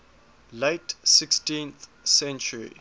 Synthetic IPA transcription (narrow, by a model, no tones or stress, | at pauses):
leɪtsɪkstĩnθ | sɛ̃nt͡ʃəɹḭ